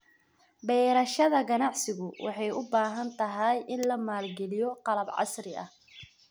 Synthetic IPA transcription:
bɛːɾɐʃɐðɐɡɐnɑʕsɪɣʊwɑ̰ħɑjʊbaːɦɐnt̪ʰɐɦɐjʔɪnlɐmaːlɡɛlɪjɔqɑlɐbʕɑ̰sɾɪɐ̰h

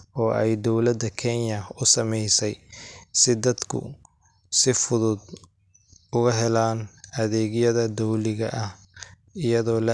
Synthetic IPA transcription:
ɔːʔɛjd̪ɔwlɐd̪ːɐkʰɛnjɐʊsɐmɛjsɛjsɪd̪ɐd̪kʰʊ̰ | sɪfʊðʊd̪ | ʊɣɐɦɛlaːnʔɐðɛːɡjɐðɐd̪ɔwlɪɣɐʔɐh | ɪjɐðɔːlɐ

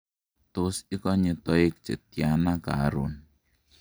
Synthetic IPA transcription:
t̪ʊsikɔɲət̪ɔik̚t͡ʃə̰t̪̚ianaka̰ɾʊ̰n

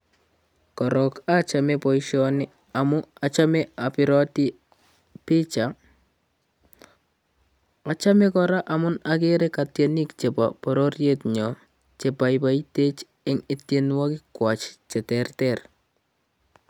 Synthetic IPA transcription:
kɔɾɔkat͡ʃamɛpɔjʃɔnɪ | amʊat͡ʃamɛapɪɾɔti | pɪt͡ʃa | at͡ʃamɛkɔɾaʔamʊnakeɾɛkatjenikt͡ʃepa̰pɔɾoɾjetɲɔ | t͡ʃepajpajtet͡ʃ | ɪŋɪtjenwakɪkwat͡ʃt͡ʃɛtɛrtɛr

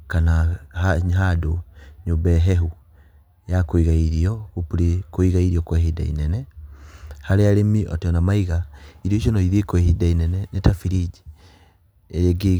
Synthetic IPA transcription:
kanaaɦadoɲobɛɦɛɦu | jakoiɣaiɾiɔɣopuɾekoiɣaiɾiɔkwɛɦida̰ḭnɛnɛ | haɾeaɾemiʔɔ̰teɔnamaiɣaiɾiɔiʃɔnɔiðekwɛhidainɛnɛnetafiɾid͡ʒi | eɾeɡe

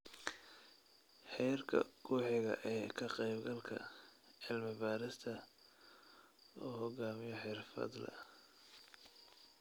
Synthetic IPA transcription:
ħɛjɐrkʰɐ̰kʰuːħɪɣɐ̰ʔɛːkʰɐqɛjbɡɐlkʰɐ̰ | ʕɪlmɪbaːɾɪst̪ʰɐ | ɔːɦɔɡaːmɪjɔħɪrfɐ̰d̪lɐ̰

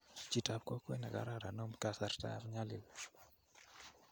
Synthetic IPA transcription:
t͡ʃitab̚kɔkwɛnaɡa̰ɾaɾanɔmkasaɾta̰ɾɲalɪl

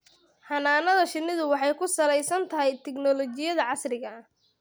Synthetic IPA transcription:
hɐnaːnɐðɐʃɪnːɪðʊwɑħɑjkʰʊsɐlɛjsɐnt̪ʰɐɦɛjt̪ʰɛɡnɔlɔt͡ʃɪjɐðɐʕɑsrɪɣɐ

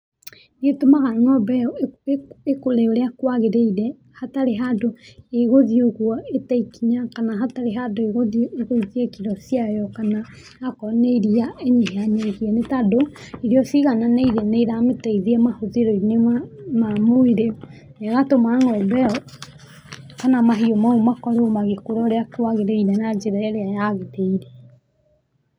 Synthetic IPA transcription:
netomaɣaŋɔbɛɔ | ekoleoɾeakwaɣeɾeiɾɛ | hataɾeɦadoeɣoðioɣwɔetaikiɲakanaɦataɾeɦadoeɣoðieɣoðiekiɾɔsijajɔkana | akɔneiɾiaeɲeɦeaɲeɣiɛnetadoiɾiɔsiɣananeiɾeneiɾametaiðiɛmahoðeɾoineamamoeɾe | neɣatomaŋɔbɛɔ | kanamaɦiomaomakɔɾomaɣekoɾɔɾeakewaɣeɾeinenad͡ʒeɾaɛɾeajaɣeteiɾe

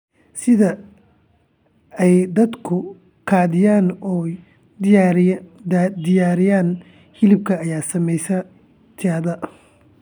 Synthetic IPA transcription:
sɪðɐ | ɛjd̪ɐd̪kʰʊ | qʰɑːðɪjaːnɔ | d̪ɪjaːɾɪjaːn | hɪlɪb̚kʰɐːjaːsɐmɛjsɐ | t̪ʰɪaːðɐ

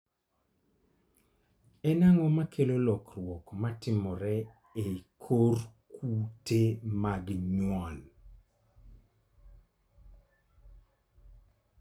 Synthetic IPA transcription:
ɛnaŋɔmakʰelolɔkrwɔkmatɪmɔɾɛ | ekʰorkʰutemaɡɲwɔn

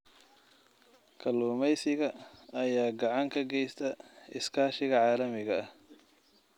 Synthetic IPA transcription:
kʰɐluːmɛjsɪɣɐɐjaːɡɑʕɑŋkʰɐɡɛjst̪ʰɐɪskʰaːʃɪɣɐʕɑːlɐmɪɣɐɐh

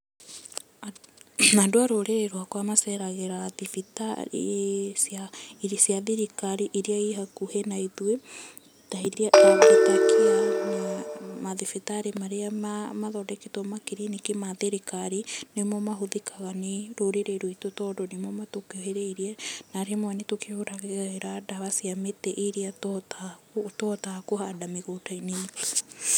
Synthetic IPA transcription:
andoaɾoɾeɾeɾoakoamasɛɾaɣeɾaðifita̰ɾḛsjaɾsiaðiɾikaɾiʔiɾiaiɦakuhenaiðwe | taiɾiaʔekitakianamaðifitaɾemaɾeamamaðɔdɛketɔmakeɾinikemaðeɾekaɾinemɔmaɦoðekaɣaneɾoɾeɾeɾoitotɔdonemɔmatokeoɦeɾeiɾianaɾeamoanetokeoɾaɣeɣaeɾadaβasiametɛʔiɾiatɔtakotɔtakoɦadameɣotaine

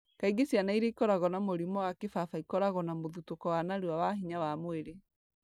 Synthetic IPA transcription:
kaiɡesjanaiɾeikɔɾaɣɔnamoɾimɔwakefafaikɔɾaɣɔnamoðutokɔwanaɾewawaɦiɲawamoeɾe

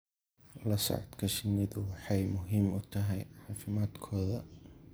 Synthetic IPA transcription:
lɐsɔ̰ʕɔd̪kʰɐʃɪnɪðʊwɑħɑjmʊɦiːmʊt̪ʰɐɦɛjʕɑːfɪmaːd̪kʰɔːðɐ̰

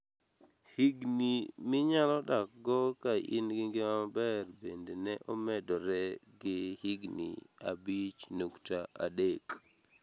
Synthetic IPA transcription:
hiɡnimɪɲalɔdak̚ɡɔkaḭnɡɪŋɡɪmabɛrbendenɛʔɔmɛdɔɾɛɡɪhiɡnḭa̰bit͡ʃnoktaa̰dek

